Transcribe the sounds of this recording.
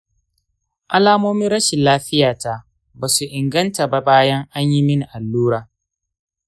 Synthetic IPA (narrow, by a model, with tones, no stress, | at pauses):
ʔa˦laː˦moː˦mɪ˦nɾɐ˦ʃɪ˨laː˦ɸɪ˦jaː˨ta˦ | baː˨su˨ʔɪ˨ŋɡɐ˦nta˨ba˦baː˦jɐ˦ŋʔa˦ɲji˦mɪ˦ni˨ʔa˨lːuː˦ɾaː˨